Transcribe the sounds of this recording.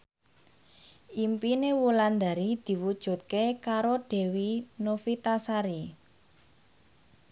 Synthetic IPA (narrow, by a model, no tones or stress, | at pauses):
ʔimpinewuland̪a̤ɾid̪̥i̤wud̥ʒ̥ṳt̪̚kekaɾoɖ̥e̤winofit̪asaɾi